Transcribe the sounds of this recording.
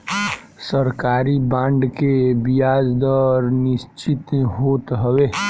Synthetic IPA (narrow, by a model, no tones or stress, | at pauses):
səɾkaːɾibãːɳɖkebijaːd͡ʒd̪əɾnɪst͡ʃit̪ɦoːt̪ɦəwe